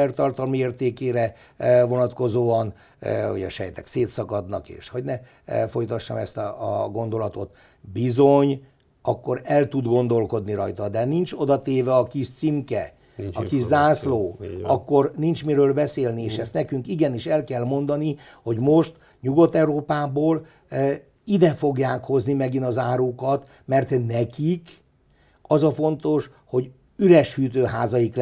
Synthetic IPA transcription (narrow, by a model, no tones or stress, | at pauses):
ɛrt̪ɒrt̪ɒlmieːrt̪eːkeːɾɛ | vo̞nɒt̪ko̞zoːɒn | ṵɟɛ̰ʃɛjt̪ɛ̰kseːt̪sɒkɒd̪nɒ̰kḛːʃhoɟnɛ | fo̞jt̪ɒʃːɒ̰mɛst̪ːɡo̞nd̪o̞lɒt̪o̞t̪ | bizoɲ | ɒkːo̞ɾɛlt̪ud̪ɡo̞nd̪o̞lko̞d̪niɾɒjt̪ɒd̪ɛnint͡ʃo̞d̪ɒt̪eːvɛɒkiʃt̪simkɛ | ɒkiʃzaːsloːɒkːo̞rnint͡ʃmiɾøːlbɛseːlnieːʃɛst̪nɛkyŋkiɡɛniʃɛlkɛlmo̞nd̪ɒni | ho̞ɟmo̞ʃt̪ | ɲuɡo̞t̪ːɛuɾoːpaːboːl | id̪ɛfo̞ɡjaːkho̞znimɛɡinɒzaːɾukɒt̪ | mɛrt̪nɛkik | ɒzɒfo̞nt̪o̞ʃ | ho̞ɟ | yɾɛʃhyːt̪øːɦaːzɒjikl